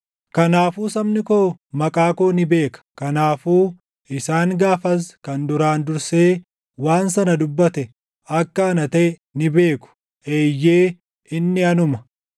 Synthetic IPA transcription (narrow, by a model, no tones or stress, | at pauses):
kɐnaːfuːsɐmnɪkoːmɐkʼaːkoːnɪbe̞ːkɐ̥kɐnaːfuː | ɪsaːŋɡaːfɐs̬kɐnd̪ʊɾaːnd̪ʊɾseː | waːnsɐnɐd̪ʊbːɐt̪ɛ | ɐkːɐɐnɐt̪ɐʔɛnɪbe̞ːkʊ̥ | ʔeːjːeː | ɪnːɪɐnʊmɐ̥